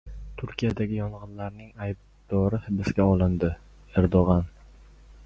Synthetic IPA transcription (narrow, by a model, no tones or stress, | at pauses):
t̪ʰʊɾkʲijad̪aɡʲɪjɒɴʁɨnlaɾn̪ɪŋajb̚ | d̪̥ɒɾɪhɪbɪsɡʲaɒlˠɪnd̪ɪ | eɾd̪oʁɑn